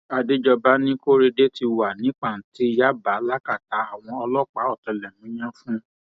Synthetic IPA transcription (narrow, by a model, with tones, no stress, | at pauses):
a˧de˦d͡ʒɔ˧ba˦nĩ˦ko˦ɾe˧de˦ti˧wa˨nĩ˨˦k͡pa˦˨n̩˨˦ti˨˦ja˦ba˨˦la˦ka˦˨ta˨˦a˨w̃ɔ̃˧ɔ˧lɔ˦k͡pa˨˦ɔ˦˨tɛ˧lɛ˨mũ˨˦j̃ã˦fũ˦